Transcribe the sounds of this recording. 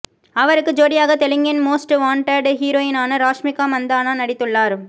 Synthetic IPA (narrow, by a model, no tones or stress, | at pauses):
ɐʋɐɾɯkːɯd͡ʒoːɽɪjaːɣɐt̪ɛlɪŋɡɪnmoːsʈʋaːɳʈɐɾɖɦiːɾoːjɪnaːnɐɾaːʂmɪkːaːmɐnd̪aːnaːnɐɽɪt̪ːɯɭːaːɾ